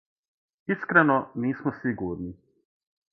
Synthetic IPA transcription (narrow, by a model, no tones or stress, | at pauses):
iskɾanɔniːsmɔsiɡuːɾni